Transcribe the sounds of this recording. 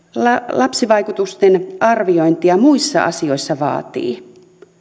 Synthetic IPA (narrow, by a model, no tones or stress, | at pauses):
lɑlʔɑpsiʋɑikut̪ust̪enʔɑrʋioint̪iɑmuisːɑ̰ʔɑ̰sio̞isːɑʋɑ̰ːt̪ḭː